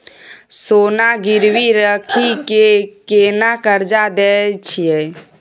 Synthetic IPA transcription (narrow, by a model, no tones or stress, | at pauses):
sonaɡiɾwiɾəkʰikekenakəɾd͡ʒad̪ɛt͡ʃʰije